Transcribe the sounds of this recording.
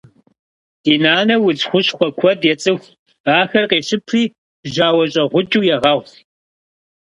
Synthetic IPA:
d̥iːnaːnɐwʊd͡zxʷʊɕxʷɔkʷʰɔdjɛt͡sʼɨxʷ | aːxɐrqeːʃɪpʰriː | ʒaːwɐɕʼɐʁʷʊt͡ʃʼuːjɛʁɐʁ

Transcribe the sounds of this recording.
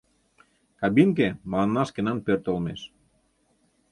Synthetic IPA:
kɑbiŋk̬emlɑnːɑʃkenɑnpørt̪olmḛʃ

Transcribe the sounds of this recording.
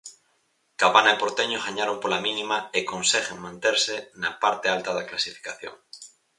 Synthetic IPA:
kaβanaepoɾt̪eɲoɣaɲaɾompolamĩnimaekõnseɣeŋmãnt̪eɾsenapaɾt̪ealt̪aðaklasifi̥kaθjo̰ŋ

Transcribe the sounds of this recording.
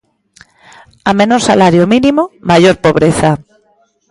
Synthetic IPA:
amenoɾsalaɾjominĩmomajoɾpoβɾeθa

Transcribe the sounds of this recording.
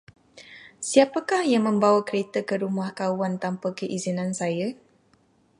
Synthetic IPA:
siapakahjaŋmə̃mbawakəɾet̪əkəɾumahkawant̪ampəkəʔizinãnsaja

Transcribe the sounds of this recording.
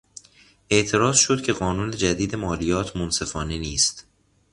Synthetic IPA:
ʔe̞ʔt̪ʰe̞ɾɒːzʃo̞d̪̥̚cʲʰe̞ɣɒːnuːne̞d͡ʒæd̪iːd̪e̞mɒːlijɒːt̪ʰmonse̞fɒːneniːst̪

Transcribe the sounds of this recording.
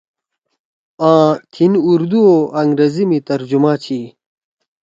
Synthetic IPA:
ãːt̪ʰinuɾd̪uoʔɐŋɡɾezimit̪ɐɾd͡ʑumãːt͡ɕʰiː

